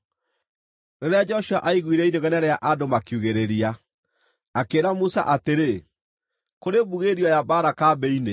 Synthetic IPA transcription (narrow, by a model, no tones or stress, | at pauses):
neɾead͡ʒɔʃua̰ʔaiɣwiɾɛinoɣɛnɛɾɛaʔadomakjuɣeɾeɾia | akeːɾamusa̰ʔateɾe | koɾebuɣeɾiɔjabaːɾakaːbɛine